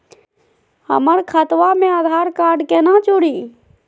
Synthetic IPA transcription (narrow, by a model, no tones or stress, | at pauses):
hə̰məɾkʰət̪ʋamẽaːd̪ʱaːɾkaːɾɖkenat͡ʃoɽiː